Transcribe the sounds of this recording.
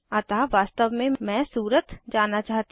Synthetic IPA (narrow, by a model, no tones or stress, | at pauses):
ət̪aʋaːst̪əʋmẽmɛ̃ːsuːɾət̪d͡ʒaːnːat͡ʃaːɦt̪i